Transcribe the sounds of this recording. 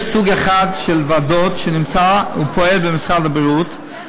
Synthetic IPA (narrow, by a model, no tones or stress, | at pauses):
suɡɛχadʃɛlvadotʃenɪmt͡saṵpʰɔɛlbɪmɪsχaldabɛʁut